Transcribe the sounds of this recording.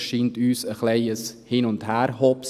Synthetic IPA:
ʃiːntyːsəχleɪəshiːnʊnthæːɾhɔps

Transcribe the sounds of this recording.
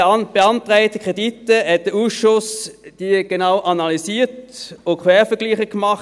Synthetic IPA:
b̥eɑntʁæɪtəkʁeditəhɛt̚d̥əuːsʃʊsd̥iɡ̥enaʊʔɑnɑlisiːtokʰʋɛːfəɐɡ̥liːχəkmɑχ

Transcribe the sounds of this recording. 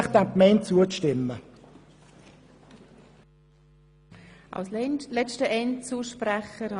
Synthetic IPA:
χd̪ækmɛɪntt͡suət͡sʃtɪmːə | ʔa̰lslɛt͡stəʔɛnt͡suːʃprɛχəɾhɑ

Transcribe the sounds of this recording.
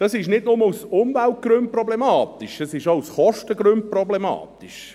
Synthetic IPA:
d̥ɑsɪʃnɪdnʊməusʊmvælt̚ɡ̥ɾʏnt̚prɔblemɑːt̪iʃɛsɪʃousχɔʃtəɡɾʉnt̚prɔblemɑ̰ːtiʃ

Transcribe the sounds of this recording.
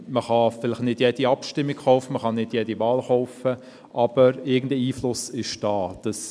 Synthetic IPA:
məχɑfɪlɪχtnɪd̥jɛd̥iɑpʃtɪmːikχɔʊfəməχɑnɪd̥jɛdiʋɑːlχɔʊfə | ʔɑb̥əɾɪɐɡən̩dəiːflʊsɪʃd̥ɑːd̥ɑs

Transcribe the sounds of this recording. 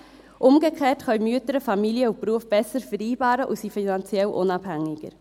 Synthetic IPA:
ʔʊmɡəkχeːtχœʏmyətəɾəfɑmiljəupɾuəfb̥ɛsəɾfəɾiːbɑːɾəʔusifinɑnt͡sjɛlʔʊnɑbhæŋːɪɡ̥ə̰ɾ

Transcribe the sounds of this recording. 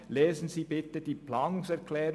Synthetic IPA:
lɛːzn̩ziːbɪtəd̥iːplɑŋsɛʁkʰlɛːʁ

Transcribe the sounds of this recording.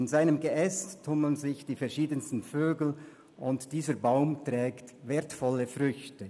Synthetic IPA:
ɪnzaɪnəmɡeʔɛsttʰʊməl̩nzɪçd̥iːfɛɐʃiːdənstn̩føːɡl̩ | ʊntd̥iːzəbaʊmtʁɛːktveːɐtfɔləfʁʏçtə

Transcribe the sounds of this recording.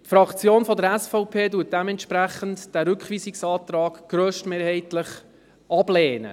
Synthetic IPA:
tfɾɑkt͡sjoːnfɔdəɾæsfɔʊpʰeːduːt̚d̥ɛmɛntʃpɾæχəntd̥æɾʉkχʋiːsɪksɑːt̪ɾɑːɡ̥ɡ̥ɾøːʃtmeːɾhɛɪtləχ | ɑbleːnə̰

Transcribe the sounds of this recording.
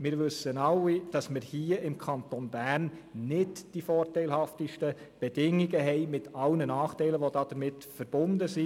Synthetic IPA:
mɪːɾʋʏsənɑlːid̥ɑsmɪɾhiːəʔɪmkʰɑnt̪onbærnːɪdd̥ifɔːrtɛɪlhɑftiʃtə | b̥ɛd̥ɪŋiɡəɦɛɪmɪtʰɑlnənɑːχtɛɪləʋodɑːd̥əɾmɪtfəɾb̥ʊndəsi

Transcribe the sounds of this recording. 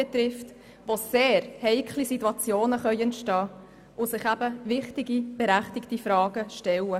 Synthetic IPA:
ɛt̪ɾɪft | ʋoseːɾhɛɪkʰχlisitːuɑt͡sjoːnəχœʏɛntʃtɑː | ʔʊsɪχæbəvɪχtɪɡib̥eɾæχtɪktifɾɑːɡ̥əʃtɛlə

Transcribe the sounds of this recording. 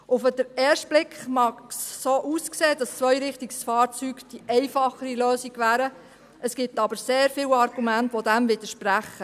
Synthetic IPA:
ʊfəd̥əɾɛːɾʃtb̥lɪkχmɑksːoːʔuːskseːd̥ɑst͡sʋœjɾɪχtiɡsfɑːɾt͡syːɡd̥iʔɛɪfɑχəɾiløːsiɡ̥ʋæːɾə | əsɡ̥ɪp̚t̪ɑbəɾseːɾfɪwɑɾɡ̥umæntʋod̥æmʋɪd̥̪əɾʃpɾæχːə

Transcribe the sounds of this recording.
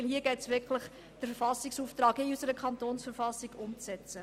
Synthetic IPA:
lhiːəɡ̥ɛɪtsʋɪkʰləχ | d̥əɾfəfɑsɪksuːftɾɑːkɪysəɾəkʰχɑntoːnsfəɾfɑsiɡʊmt͡sɛt͡sə

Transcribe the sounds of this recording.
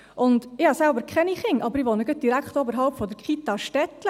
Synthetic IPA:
ʔɔnd̪ɪhɑːsælbəɾkʰɛnixɪŋʔɑbəɾɪʋɑːnəɡəd̪iɾækt̪oːbəɾɦɑlpfɔd̪əɾkʰiːt̪ɑʃtɛt̪lə

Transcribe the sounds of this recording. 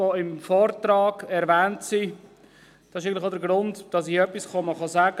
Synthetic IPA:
oɪmfɔːɾtɾɑːɡ̥ɛɾvæːntsi | d̥ɑsɪʃ̬ɪɡənlɪxoʊdəɾɡɾʊndd̥ɑs̬ɪœpːisχɔməχɑzæːɡ̥ə

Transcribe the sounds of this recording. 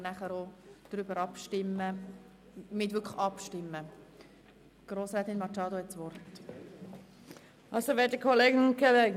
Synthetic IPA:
næχəɾod̥ɾybəɾɑpʃtɪmːə | mɪtʋʏkʰəχɑpʃtɪmːə | ɡ̥ɾoːsɾɛːt̪ɪnmɑt͡ʃɑːdohɛtsʋɔrt | ɑlsoʋɛːd̥əkʰɔleːɡənʊnkʰoleːɡ

